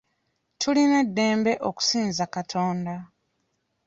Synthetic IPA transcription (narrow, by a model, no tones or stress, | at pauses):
tʰuline̞dːe̞ːmbe̞ʔoku̥siːnzakatʰo̞ːnda